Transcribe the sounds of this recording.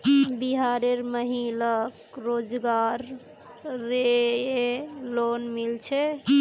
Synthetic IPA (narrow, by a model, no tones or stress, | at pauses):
biɦaɾeɾməɦilək | ɾod͡ʒɡaɾː | eelonmilt͡ʃʰɛ